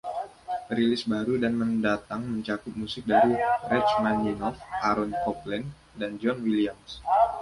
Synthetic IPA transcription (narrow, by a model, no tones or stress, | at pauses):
ɾilɪsbaɾudanməndat̪aŋməɲt͡ʃakʊt̪̚musɪk̚daɾirɛt͡ʃmaninɔfʔaɾɔnkɔplɛn | dand͡ʒɔnwiliams